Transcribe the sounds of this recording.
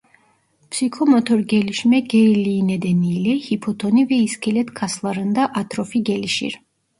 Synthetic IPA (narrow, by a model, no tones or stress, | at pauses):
psikʰɔmɔt̪ʰɔɾɡɛliʃmɛɡɛiliːnɛd̪ɛniːlɛhipʰɔt̪ʰɔnivɛiskʰɛlɛt̪kʰaslˠaɾɨnd̪aʔat̪ʰɾɔfiɡɛliʃḭɾ